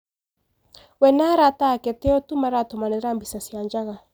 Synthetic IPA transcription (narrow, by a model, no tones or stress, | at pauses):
wɛnaɾatakɛtɛɔtumaɾatɔmanɛɾambisasiand͡ʒaɣa